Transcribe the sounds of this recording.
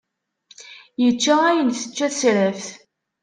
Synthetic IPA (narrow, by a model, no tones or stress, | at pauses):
jət͡ʃːææjənθə̥t͡ʃːæθsɾæfθ